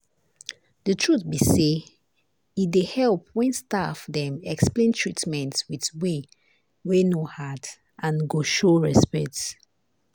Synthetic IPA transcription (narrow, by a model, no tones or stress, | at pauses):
dətʰɹutbise | idehɛlˠpwɛ̃nstafdɛ̃mɛksplẽntʰɹitmɛ̃ntwitwe | wenohad | ʔãnɡoʃoɹɛspɛk̚t